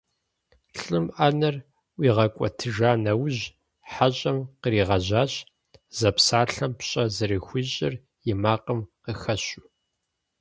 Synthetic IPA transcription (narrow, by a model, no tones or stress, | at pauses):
ɬʼɨmʔɐnɐr | wiːʁɐkʷʼɔ̰tʰɨʒaːnɐwʑ | ħaɕʼɐmqəɾiːʁɐʑaːɕʼ | zɐpsaːɬɐmpɕʼɐzɨrixʷiɕʼɪr | jɪmaːqəmqəxɐɕʊ